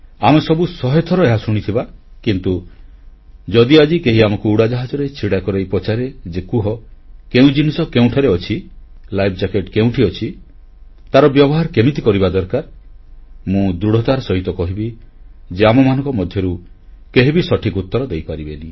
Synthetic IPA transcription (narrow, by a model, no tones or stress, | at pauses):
amesɔbusɔɦet̪ʰɔɾɔeɦasuɽ̃it̪ʰibakint̪u | d͡ʒɔd̪iad͡ʒikeɦiamɔkuuɽad͡ʒaɦad͡ʒɔɾet͡ʃʰiɽakɔɾejpɔt͡ʃaɾed͡ʒekuɦɔkeũd͡ʒinisɔkeũʈʰaɾeɔt͡ʃʰi | lajbʰd͡ʒakeʈkeũʈʰiɔt͡ʃʰi | t̪aɾɔbjɔbɔɦaɾkemit̪̬ikɔɾibad̪ɔɾkaɾ | mũd̪ɾuɽ̤ɔt̪aɾsɔɦit̪ɔkɔɦibi | d͡ʒeamɔmanɔ̃ŋkɔmɔd̪ʱjɔɾu | keɦibisɔʈʰikut̪ːɔɾɔd̪ejpaɾibeni